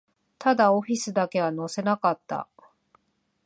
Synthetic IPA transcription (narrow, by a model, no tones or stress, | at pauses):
t̪ad̪ao̞ɸʲisɨd̪ake̞βano̞se̞nakat̪ːa̰